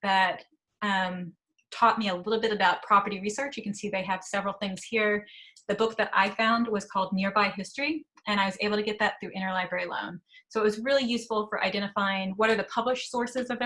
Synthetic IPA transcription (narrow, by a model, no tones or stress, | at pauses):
ðɨt | ʌ̃m | tʰɔt̚miɨlɪɾl̩ˠbɪɾɨbaʊt̚pʰɹ̥ɑpə˞ɾiɹisɜ˞t͡ʃjɨkn̩siðeɪɨv̥sɛvɹl̩ˠθɪ̃ŋz̥hiɹðɨbʊk̚ðɨɾʔa̰ɪfãʊ̃nd̚wʌz̥kʰɔlˠdⁿnɪɹbaɪɦɪstɹ̥i | ʔɨ̃ɾ̃aɪwʌzeɪbl̩ˠtʰɨɡɛt̪̚ðɨt̪̚θɹʉʔɪ̃ɾ̃ə˞laɪbɹɛɹilõ̰ʊ̃nsoʊət̚wʌzɹɪlˠijʉsfl̩ˠfə˞ʔa̰ɪdɛ̃ɾ̃ɨfaɪɪ̃ŋwʌɾə˞ðɨpʰʌbləʃsɔɹsɨzʌvɨ